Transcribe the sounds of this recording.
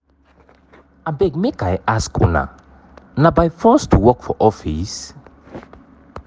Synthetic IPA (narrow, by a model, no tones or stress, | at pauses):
abɛɡmekajʔaskʰṵna̰ | nabajfɔstʰuwɔkfɔʔɔfis